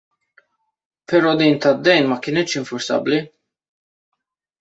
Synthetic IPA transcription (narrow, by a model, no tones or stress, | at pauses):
pɛɾɔːd̪iːnt̪ɐd̪ːɛjnmɐkɪːnɛt̪ːʃɪɱfʊɾsɐ̰bli